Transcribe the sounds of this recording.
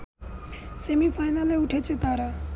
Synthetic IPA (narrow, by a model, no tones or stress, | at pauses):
semifʰaːjnaleʊʈʰet͡ʃʰet̪aːɾa